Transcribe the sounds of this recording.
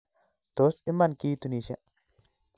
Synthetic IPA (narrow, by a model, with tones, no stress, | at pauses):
d̪̥o˨˦si˦mːa˦˨nkiː˦t̪u˨niː˨ʃe˦˨ʔ